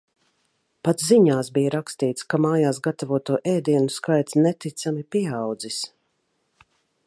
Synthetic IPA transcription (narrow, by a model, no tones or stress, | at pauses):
pat̪sziɲaːsbijaɾakst̪iːt̪skamaːjaːsɡat̪avuɔt̪uɔʔɛːd̪iɛnuskajt̪snɛt̪it̪samipiɛawd̪zis